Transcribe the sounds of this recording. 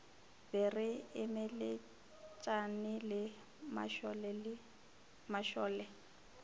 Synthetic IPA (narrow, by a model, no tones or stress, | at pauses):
bɪrɪɪmɛlɪ | t͡ʃʼanɪlɪ | ma̰ʃɔlɛlɪ | maʃɔːlɛ